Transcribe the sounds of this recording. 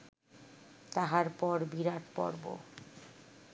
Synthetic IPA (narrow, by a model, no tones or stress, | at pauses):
t̪aɦaɾpɔɾbiɾaʈpɔ̰ɾbo̰